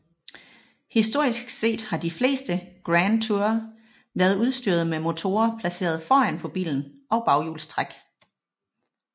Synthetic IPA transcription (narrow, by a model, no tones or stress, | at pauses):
hisd̥o̝ɐ̰isɡ̥se̝̰ːd̥hɑ̈d̥ifle̝̰ːsd̥əɡ̥ʁænt͡sʰuɐ | ʋæɐðˠuð̞ˠsd̥yɐð̞̩ˠmemo̝t͡sʰo̝ːɐpʰlæse̝̰ːɐð̞ˠfɒːæn̰pʰɒ̽b̥ḭːln̩ʔɒ̽ʊb̥ɑ̈ʊjṵːlst͡sʰʁaɡ̥